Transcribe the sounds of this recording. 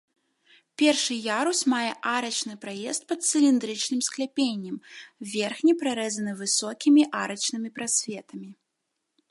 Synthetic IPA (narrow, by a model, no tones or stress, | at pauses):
pʲɛrʂɨjaɾusʲmajɛʔaɾɐt͡ʂnɨpɾajɛst̪̚pɐt̪sʲɨlʲind̪ɾɨt͡ʂnɨmsklʲɛpʲenʲːɐmvʲɛrxnʲipɾaɾɛzɐnɨvɨsɔkʲimʲiʔaɾɐt͡ʃnɨmʲipɾasʲvʲɛt̪ɐmʲi